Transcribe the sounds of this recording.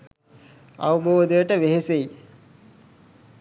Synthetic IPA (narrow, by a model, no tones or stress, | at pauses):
a̰ʋəboːd̪əjəʈəʋeɦesei